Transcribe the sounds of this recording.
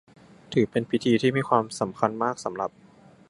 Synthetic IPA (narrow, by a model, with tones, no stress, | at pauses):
t̪ʰɯː˩˦pe˧npʰi˦˥t̪ʰiː˧t̪ʰiː˥˩miː˧kʰwaː˧msa˩˦mkʰa˧nmaː˥˩k̚sa˩˦mɾa˨˩p̚